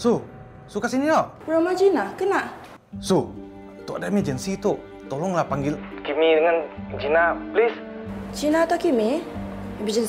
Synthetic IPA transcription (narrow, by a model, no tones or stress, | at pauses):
su | sukasinilɔʔ | ɾamad͡ʒinakənaʔ | su | t̪ɔʔadamɛd͡ʒənsit̪oʔ | t̪olɔŋlahpaŋɡɪlkimidəŋand͡ʒinaplist͡ʃinat̪ɔkimi | bid͡ʒən